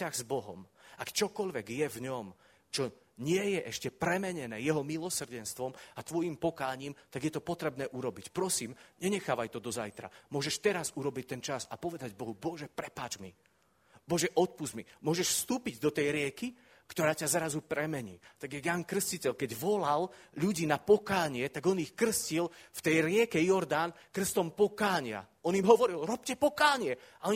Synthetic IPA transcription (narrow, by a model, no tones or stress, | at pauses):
aɣzbɔɦɔ̰mʔakt͡ʃɔkɔʎʋɛɡjɛvɲɔm | t͡ʃɔ | ɲɪɛjɛʔɛʃcɛpɾɛmɛɲɛnɛːjɛɦɔmilɔsr̩ɟɛnst̪ʋɔmat̪ʋɔjimpɔkaːɲiːmt̪aɡjɛt̪ɔpɔt̪ɾɛbnɛːʔuɾɔbicpɾɔsiːmɲɛɲɛxaːʋajt̪ɔd̪ɔzajt̪ɾa̰mʊɔʒɛʃt̪ɛɾazuɾɔbic̚t̪ɛnt͡ʃasapɔʋɛd̪aɟbɔɦubɔʒɛpɾɛpaːd͡ʒmi | bɔʒɛʔɔt̪̚puzmimʊɔʒɛʃfst̪uːpiɟd̪ɔt̪ɛjɾɪɛki | kt̪ɔɾaːcazɾazupɾɛmɛɲḭːt̪aɡɛɡjaŋkr̩scicɛʎkɛɟʋɔlalʎuɟiːnapɔkaːɲɪɛt̪aɡɔnixkr̩scilft̪ɛjɾɪɛkɛjɔɾd̪ankr̩st̪ɔmpɔkaːɲɪa̰ | ɔnimɦɔʋɔɾilɾɔp̚cɛpɔkaːɲɪɛ | aɔ